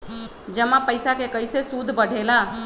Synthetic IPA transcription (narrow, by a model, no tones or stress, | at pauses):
d͡ʒəmapəɪsakekəjsesud̪ʱbəɽ̤ʱela